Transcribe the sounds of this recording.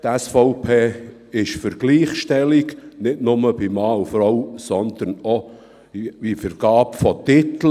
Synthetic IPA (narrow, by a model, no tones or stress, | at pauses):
t̪æsfɔʊpʰeː | ɪʃfəɾɡ̥liːχʃtɛlɪɡnɪtnʊməb̥imɑːufɾɔwsɔnd̪̥ənɔ̥ | ifəɾɡ̥ɑːpfɔt̪ɪt̪l̩